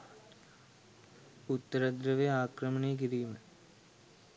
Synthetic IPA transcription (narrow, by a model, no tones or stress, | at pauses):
ut̪ːɐɾɐd̪ɾɐʋeaːkrɐmɐɳeːk̬iɾijumɐ